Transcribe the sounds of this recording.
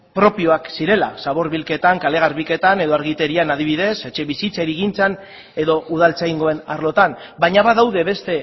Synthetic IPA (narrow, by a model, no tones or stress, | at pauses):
pɾo̞pio̞aksiɾe̞lasaβo̞ɾβilke̞t̪aŋkale̞ɣ̞aɾβike̞t̪ane̞ðo̞aɾɣit̪e̞ɾianað̞iβ̞iðe̞se̞t͡ʃe̞βisit͡saɾiɣint͡san | e̞ðo̞ʔuð̞alt͡sajŋɡo̞e̞naɾlo̞t̪ambajɲaβaðawðe̞βe̞st̪e̞